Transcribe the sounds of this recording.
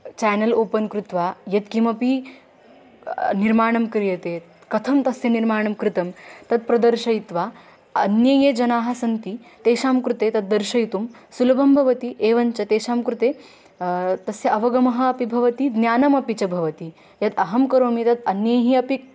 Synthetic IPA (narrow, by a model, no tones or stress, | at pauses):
t͡ʃɛːnɐloːpɐnkɾut̪ʋaːjɐt̪̚kimɐpi | niɾmaːɳɐmkɐɾjɐt̪eː | kɐt̪ʰɐmt̪ɐsjɐniɾmaːɳɐmkɾɪt̪ɐmt̪ɐt̪̚pɾɐd̪ɐɾʃɐjit̪ʋaː | ɐ̰njɐjeːd͡ʒɐnaːɦɐsɐnt̪it̪eːʃaːmkɾut̪eːt̪ɐt̪̚d̪ɐɾʃɐjt̪umsulɐbʱɐmbʱɐʋɐt̪iʔeːʋɐɲt͡ʃɐt̪eːʃaːmkɾut̪eː | t̪ɐsjɐɐʋɐɡɐmɐɦɐ̆ːpibʱɐʋɐt̪id̪nʲjaːnɐmɐpit͡ʃɐbʱɐʋɐt̪i | jɐt̪ɐɦɐmkɐɾoːmit̪ɐt̪ɐnjɐjɦiɐpi